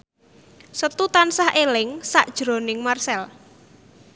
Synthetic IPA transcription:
sət̪ut̪ansahʔelɪŋsa̰ʔd̥ʒ̥ɾo̤nɪŋmarsɛl

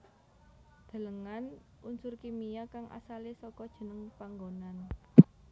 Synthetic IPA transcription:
d̪̥ə̤ləŋan | unsʊrkimijakaŋʔa̰salesɔkɔd̥ʒ̥ə̤nəŋpaŋɡonan

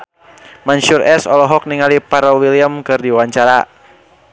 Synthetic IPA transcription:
mansurʔɛsɔlɔɦɔk̚niŋalipaɾɔwiliəmkɨrdiwaɲt͡ʃaɾa

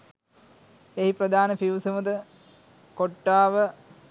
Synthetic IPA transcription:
eɦiprəd̪aːnəpiwsəməd̪ə | koʈːaːʋə

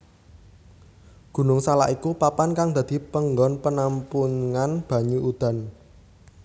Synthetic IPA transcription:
ɡ̥ṳnʊŋsalaʔikupapankaŋd̪ä̤d̪̥i̤pəŋɡɔnpənampuŋanb̥ä̤ɲuʔud̪̥a̤n

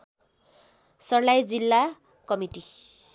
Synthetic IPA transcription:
sʌrlajd͡zilːa | kʌmiʈi

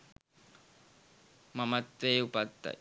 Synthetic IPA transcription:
mamat̪eupat̪ːa̰

